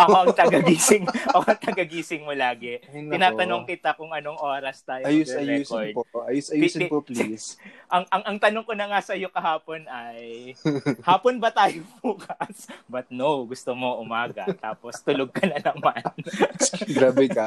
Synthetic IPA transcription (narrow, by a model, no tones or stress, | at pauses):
ʔɐoʔɐt̪ɐɡɐɡiːsɪŋokoɐt̪ɐɡɐɡiːsɪŋmolaːɡɛnɪnaːɐnoŋkɪt̪akʊŋʔɐnoŋʔoːɾɐst̪aːjoɐjʊsɐjɛkod̪pʔɐjusɐjisɪpoplisʔɐŋʔɐŋʔɐŋt̪ɐnoŋko̞nɐŋasɐjo̞kɐhaːpo̞nɐj | haːponbɐt̪aːjobuːkɐsbɐt̪̚nowɡʊst̪omoʔʊmaːɡɐt̪aːpo̞st̪ʊloɡ̚kɐnɐnɐmɐnn | ɡɾaːbɛkɐ